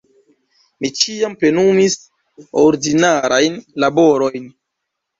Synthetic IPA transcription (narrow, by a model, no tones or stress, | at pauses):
mit͡ʃiampɾe̞numis | oɾdinaɾʔajnlabo̞ɾo̞jn